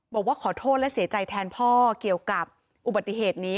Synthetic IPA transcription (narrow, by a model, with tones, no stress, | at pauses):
bɔː˨˩k̚waː˥˩kʰɔː˨˩˦t̪ʰoː˥˩t̪̚lɛ˦˥ʔsi˨˩˦t͡ɕa˧jt̪ʰɛː˧npʰɔː˥˩ki˨˩əwka˨˩p̚ | ʔu˨˩ba˨˩t̪ːi˧˩ɦeː˨˩t̪̚niː˦˥